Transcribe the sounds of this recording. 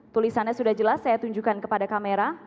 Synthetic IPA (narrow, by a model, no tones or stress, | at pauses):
t̪ulisanɲasudahd͡ʒəlasːajat̪uɲd͡ʒukankəpadakameɾa